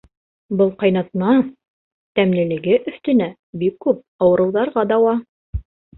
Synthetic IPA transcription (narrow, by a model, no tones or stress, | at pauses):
bɤlˠqɑjnɑt̪̚nɑ | t̪æmnɘ̆lɘ̆ɡɘʔɵ̆θt̪ɘ̆næ | bikːʉp̚ɑwɤ̆ɾɤ̆wðɑɾʁɑd̪ɑwɑ